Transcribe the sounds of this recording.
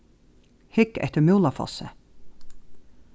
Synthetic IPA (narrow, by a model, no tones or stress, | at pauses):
hɪkɛ̰ht̪əɾmwlafɔ̰sə